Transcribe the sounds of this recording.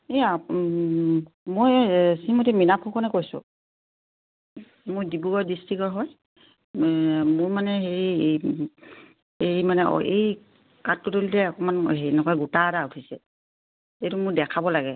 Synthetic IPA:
ea | mojsimotiminapʰukʰɔnɛkojsʊ̰ | mʊjdibuɡɔdistɹikɔɹɦɔj | mʊɹmanɛɦeɹi | ejmanɛ̰ej | katːutolilɛakɔmanɦenɔkɔjɡutaːdautʰisɛ | etumʊɹdɛkʰabɔlaɡɛ

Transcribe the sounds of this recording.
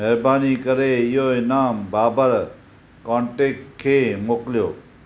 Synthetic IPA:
mɛɾbaːniːkəɾejoːnaːmbaːbəɾ | kɔ̃ɳʈekʰːemokljoː

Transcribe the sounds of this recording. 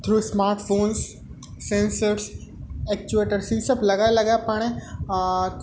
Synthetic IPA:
t̪ʰɾuːsmaːɾʈfõːns | sẽnsəɾsɛk̚t͡ʃueːʈəɾsisɐblɐɡalɐɡapɐɽ̃ẽ

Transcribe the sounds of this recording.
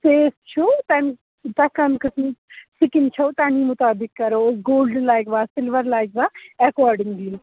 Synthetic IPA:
seːst͡ʃʰut̪ɐn | t̪ɐkɐmkɐsmsɪkɪnt͡ʃʰɐt̪aːnimʊt̪aːbɪkːɐɾoːɡoːlɖlaːjkʋaːsɪlʋəɾlaːɪkʋaːɐkɔːɾɖɪŋɡli

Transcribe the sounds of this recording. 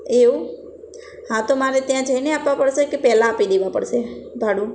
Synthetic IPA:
eu | ɦãt̪omaɾet̪jãd͡ʒʱəineapʋapəɽʃekepɛlãːpid̪eʋapə̰ɽʃebʱaɽũ

